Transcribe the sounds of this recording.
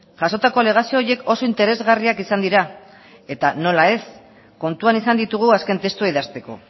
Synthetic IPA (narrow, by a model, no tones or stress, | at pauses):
ʝaso̞t̪ako̞ale̞ɣ̞asio̞ːje̞ko̞so̞int̪e̞ɾe̞zɣariakisand̪iɾa | e̞t̪ano̞lae̞s | ko̞nt̪uanisand̪it̪uɣ̞uaske̞nt̪e̞st̪uaiðast̪e̞ko̞̰